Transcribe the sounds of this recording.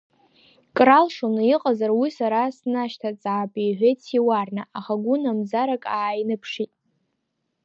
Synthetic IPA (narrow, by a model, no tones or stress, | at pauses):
kʼralʂonɨiqʼazarwisaɾasnaʃtʰat͡sʼaːpʼijħʷᶣejt͡sʰiwarnaaχaɡʷʊnamzaɾakʼaːjnɨpʰʂitʼ